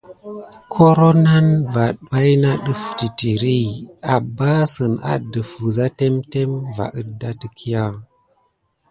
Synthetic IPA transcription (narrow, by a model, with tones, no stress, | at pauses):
kʰo˦ɾo˦na˦nva˨ɗwa˦jna˦ɗə˦fti˨ti˨ɾi˦a˨ba˦sə˨na̰˨də˨fu˨za˦te˦mte˦mva̰˨ʔə˨da˦tə˨kʰi˦ja˦